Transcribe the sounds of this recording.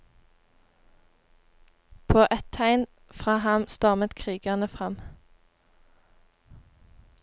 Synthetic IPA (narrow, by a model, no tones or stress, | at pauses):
pʰoːʔɛt̪ʰæɪn | fʁɑːhɑmst̪ɑʁmət̪kʰʁiːɡɑʁnəfʁɑm